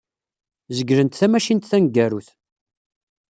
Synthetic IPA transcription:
zəɡɾənt̪θæmæʃint̪θænɡːæɾuθ

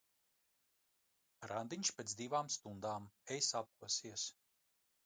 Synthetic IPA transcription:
ɾand̪iɲʲʃpʲet̪zd̪ivaːmst̪und̪aːmɛjsap̚uɔsiɛs

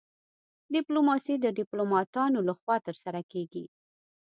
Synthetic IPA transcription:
ɖɪplomɑsid̪əɖɪplomɑt̪ɑnolaxwɑt̪əɾsaɾakeɡi

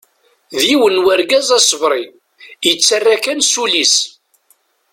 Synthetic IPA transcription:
ðjiwənwaɾɡæzæsˤəvɾˤi | jət͡sːarːakænsulis

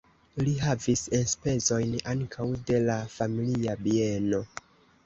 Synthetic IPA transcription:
liɦavisenspe̞zo̞jnaŋkʰawde̞lafamiliabie̞no̞

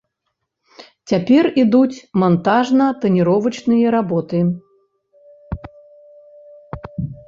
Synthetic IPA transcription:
t͡sʲapʲɛrid̪ut͡sʲmant̪aʐnɐt̪ɐnʲiɾɔvɐt͡ʂnɨjɐɾabɔt̪ɨ

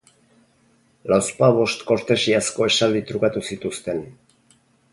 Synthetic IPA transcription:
lawspaβo̞st̪ko̞ɾt̪e̞siasko̞e̞sald̪it̪ɾukat̪usit̪ust̪e̞n

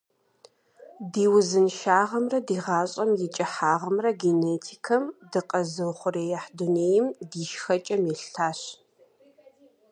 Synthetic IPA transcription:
diːwzɨnʃaːʁɐmrɐdiːʁɑːɕʼɐmjɪt͡ʃʼɐħaːʁɐmrɐɡeneːtʰiːkʰɐmdɨqʼɐzɨwχʷʊreːjɐħduneːjɪmdiːʃxɐt͡ʃʼɐmjɛɬtʰaːɕ

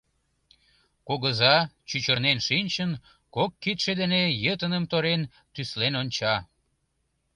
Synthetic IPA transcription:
koɣəzɑt͡ɕyt͡ɕərnenʃinʲt͡ɕən | kokːit̪ʃed̪enejət̪ənəmt̪oɾen | t̪yslenonʲt͡ɕɑ

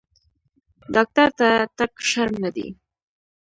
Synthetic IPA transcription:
dɑk̚t̪aɾt̪at̪akʃaɾmnad̪ḭ

